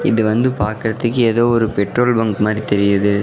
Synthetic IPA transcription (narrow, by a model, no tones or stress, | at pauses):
ɪ̰ðɯʋɐnd̪ɯpaːɾkɪɾɐt̪ːɯkːɯeːðoːɔɾɯpɛʈroːlbɐŋkmaːd̪ɾit̪ɛɾɪjɐðɯ